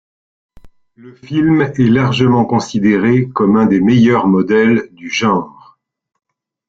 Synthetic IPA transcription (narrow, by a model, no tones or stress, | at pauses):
ləfilmɛlaʁʒəmɑ̃kɔ̃sid̪eʁekɔmɛ̃d̪emejœʁmɔd̪ɛld̪yʒɑ̃ːʁ